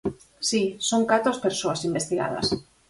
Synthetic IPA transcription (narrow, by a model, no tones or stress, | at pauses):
sisoŋkat̪ɾoaspeɾsoasimbest̪iɣa̰ð̞ɐ̰s